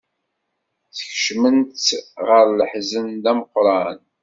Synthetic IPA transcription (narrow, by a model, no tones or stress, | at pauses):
θəçʃmənt̪ʁəɾləħzənd̪æməqɾˤɑn